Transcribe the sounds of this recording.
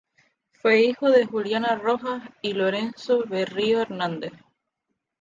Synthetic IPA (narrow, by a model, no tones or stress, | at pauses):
fwe̞ixoðexuljanaroxasiloɾensoβerioeɾnãnd̪eθ